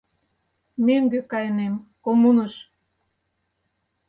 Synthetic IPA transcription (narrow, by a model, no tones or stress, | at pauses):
meŋɡĕkɑjnemkomunəʃ